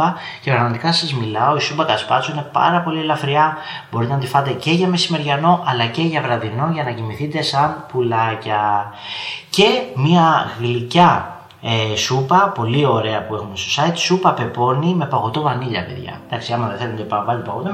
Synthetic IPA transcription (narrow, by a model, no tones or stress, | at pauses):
ɐce̞pɾɐɣmɐt̪ikɐɐsɐzmilɐo̞isupɐkɐspɐsuine̞pɐ̰ɾɐpo̞lielɐfɾiɐbo̞ɾit̪enɐt̪ifɐt̪e̞ce̞ʝɐme̞sime̞ɾʝɐno̞ʔɐlɐce̞ʝɐvɾɐðino̞ʝɐnɐcimiθit̪e̞sɐnpulɐcɐ | ce̞miɐɣilicɐ | esupɐpo̞lio̞ɾe̞ɐpue̞xunist̪o̞sɐit̪supɐpe̞po̞nime̞pɐɣo̞t̪o̞vɐniʎɐ̰pe̞̰ðʝɐ̰d̪ɐksiɐmɐðeθelunt̪epɐvɐlt̪epɐɣot̪o